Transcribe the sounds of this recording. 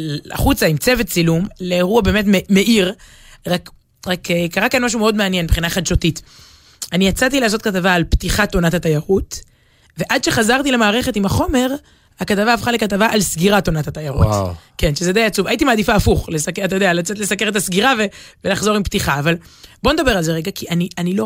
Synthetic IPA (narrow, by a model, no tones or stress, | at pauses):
a̰χut͡saimt͡se̞vett͡silumle̞ːʁuabeːmet̬mme̞ʔiʁ | ʁak | ʁakekaʁakanmaʃ̬umeo̞dmeanjenbeχinaχad̪ʃotit | anijat͡sat̬ileas̬o̞t̚katavaːlptiχato̞nathatajaʁut | ve̞ʔad̪ʃe̞χazaʁt̪ilemaːʁe̞χe̞timhaχo̞me̞ʁ | akatavaːfχale̞katavaʔalsɡiʁato̞nathat̪ajaʁṵtkenʃezed̪ejat͡suvajitimaːd̪ifaːfuχlesakat̪ajodealat͡setlesake̞ʁet̪̬asɡiʁavevelaχzo̞ʁimptiχaːvalbo̞ned̪abe̞ʁalzeʁeɡakʰianianilo̞